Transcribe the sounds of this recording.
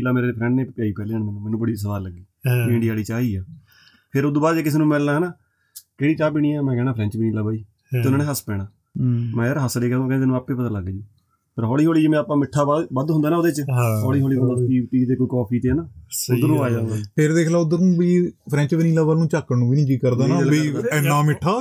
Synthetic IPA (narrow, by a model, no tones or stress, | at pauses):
ilaːmeːɾepʰɾɛ̃ːɳɖneːpɪaːiːpɛːleːənmɛñːmɛːnũːbəɽiːsəʋaːɾləɡːiːkoiɪ̃ɳɖijaːliːt͡ʃaːiːɛː | pʰɪɾʊd̪oːbaːɾd͡ʒeːkɪs̬eːnũːmɛlnaːɦɛnaː | keːɽiːt͡ʃaːp̬iːɽ̃iːɛːmɛ̃ːkɛːɽ̃aːpʰɾɛ̃ːt͡ʃʋəniːlaːbʱaːiː | teːʊnãːneːɦəspɛːɽ̃aː | mɛ̃ːaɾɦəsɽeːkɛːõːkɛ̃d̪eːnũːaːpːeːpət̪ãːləɡɛːd͡ʒiː | pʰəɾɦɔːɽiːɦoːliːd͡ʒeːmɛ̃ːaːpːãːmɪʈʰːaːbəd̪ɦʊnd̪aːnaːoːd̪eːt͡ʃɔːɽiːɦoːliːbəlaːpiːʈiːt̪eːkoːiːkɔːpʰiːt̪eːnaːʊd̪ənũːaːjaːd̪aːpʰɪɾd̪eːkʰlaːʊd̪ənũːbiːpʰɾɛ̃ːɲt͡ʃʋəniːlaːʋəːlnũːt͡ʃaːkːənũːʋiːnĩːkiːkəɾd̪aːnaːliːnaːmɪʈʰːaː